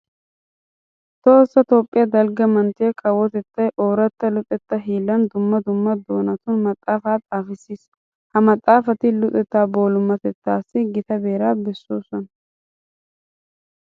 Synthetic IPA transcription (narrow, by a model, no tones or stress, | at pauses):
t̪ʼo̞ːsːɐt̪o̞ːpʼːɪjɐd̪ɐlɡɐmɐnt̪eːkʰɐwːɔt̪ɛt̪ːɐjʔoːɾɛt̪ːɐlʊt̪ʼɛt̪ːɐɦiːlːɐnd̪ʊmːɐd̪ʊmːɐd̪o̞ːnɐt̪ʊnmɐt̪ʼːaːfaːt̪ʼaːfɪsːiːs | hɐmɐt̪ʼːaːfɐt̪ɪlʊt̪ʼɛt̪ːaːbo̞ːlʊmːɐt̪ɛt̪ːaːsːɪɡɪt̪ɐbe̞ːɾaːbɛsːoːsɔnɐ